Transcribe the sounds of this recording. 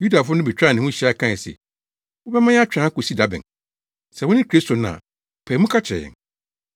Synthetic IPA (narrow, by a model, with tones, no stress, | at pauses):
ju˦da˨fʊ˦nʊ̃˦bɛ˨t͡ɕᶣɾa˦˨nɪ̃˨wʊ̃˦ɕi˨˦a˦˨kʰã˦˨sɛ̰˨ | wʊ˦bɛ˦mã˦ja˦t͡ɕᶣɾã˨˦kʊ˨si˦da˨˦bɪ̰̃˨n | sɛ˨wʊ˦nɪ̃˦kʰɾi˦stʰo˨nã̰˨ | pʰɛː˨˦mʊ̃˦kʰa˦t͡ɕʰɾɛ̰˨jɛ̰˨n